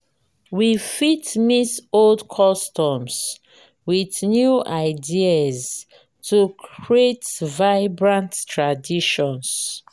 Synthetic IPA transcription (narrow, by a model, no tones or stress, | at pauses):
wifitmisoldkʰɔstɔms | wiθnjuʔaɪdiaz | tukʰɹietvaɪbɹãnttɹadiʃɔ̃ns